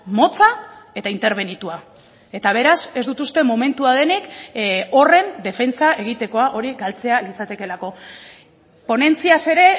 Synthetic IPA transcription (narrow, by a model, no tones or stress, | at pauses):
mo̞t͡sae̞t̪aint̪e̞ɾβ̞e̞nit̪ua | e̞t̪aβ̞e̞ɾase̞zd̪ut̪ust̪e̞mo̞me̞nt̪uaðe̞niko̞re̞nd̪e̞fe̞nt͡saʔe̞ɣ̞it̪e̞ko̞aʔo̞ɾiɡalt͡se̞alit͡sat̪e̞ke̞lako̞ | po̞ne̞nt͡siase̞ɾe̞